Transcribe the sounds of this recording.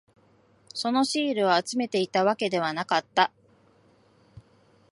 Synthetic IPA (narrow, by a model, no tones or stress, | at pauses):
so̞no̞ɕiːɾɯ̟βaːt͡sɨme̞t̪e̞it̪aβake̞d̪e̞β̞anakat̪ːa